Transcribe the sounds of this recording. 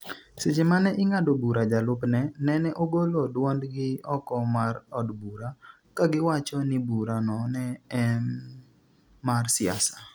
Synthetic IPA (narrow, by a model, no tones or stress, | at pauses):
set͡ʃemanɛʔɪŋadobuɾad͡ʒalʊpnɛnɛnɛʔoɡolodwandɡɪɔkɔmarɔdbuɾa | kaɡɪwat͡ʃɔnɪbuɾanɔnɛ | marsɪa̰sḁ